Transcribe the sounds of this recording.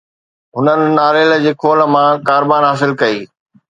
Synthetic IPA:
ɦʊnənɪ̆naːlɪld͡ʑeːkʰoːl̆mãkaːɾbaːnɦaːs̬ɪlkɐiː

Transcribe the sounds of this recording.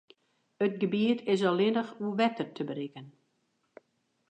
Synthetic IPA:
ət̚ɡəbiətʰɪsɔlɪnəxuʋɛtərtʰəbəɾikən

